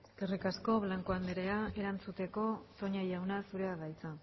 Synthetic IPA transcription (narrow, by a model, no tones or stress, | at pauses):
ɡ̥erikasko̞βlaŋkoand̪eɾeae̞ɾant͡sut̪e̞ko̞t̪o̞ɲajawnasuɾeaðajt͡sa